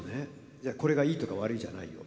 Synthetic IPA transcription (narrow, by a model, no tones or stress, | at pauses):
ne | d͡ʑaːko̞ɾe̞ɡaiːt̪o̞kaβaɾɯ̟iʑa̰na̰ḭjo̰